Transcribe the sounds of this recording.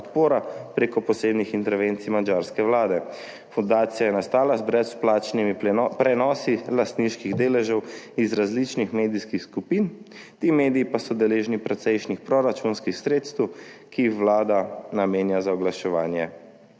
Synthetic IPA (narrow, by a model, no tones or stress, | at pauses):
pɔt̪poːɾapɾeːkɔpɔseːbnixint̪ɛɾʋent̪sijmad͡ʒaɾskɛʋlaːd̪ɛ | fund̪aːt̪sijajɛnast̪aːlazbɾɛt̪splaːt͡ʃnimipɾɛnɔsilast̪niʃkiɣd̪eːlɛʒɛwizɾazlit͡ʃnixmeːd̪iskixskupin | t̪iːmeːd̪iipasɔd̪ɛleːʒnipɾɛt̪sɛjʃnixpɾɔɾat͡ʃunskixsɾeːt̪st̪wkiixʋlaːd̪anameːnjazaɔɡlaʃɛʋaːnjɛ